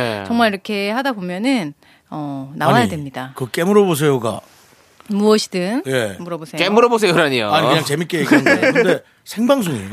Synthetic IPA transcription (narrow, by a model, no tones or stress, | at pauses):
et͡ɕʌŋmaɾiɾʌkʰe̞hadabomjʌnɯn | ʌnaawajadwe̞mɲidakɯk͈e̞muɾʌbos̬ʰe̞joɡa̰ | muʌɕʰi̥dɯnje̞muɾʌbosʰeoemuɾʌbosʰejoɾaɲijo̰aɲiɯɯɲaŋt͡ɕe̞mik͈eiɡade | sʰeŋbaŋs̬ʰuɲio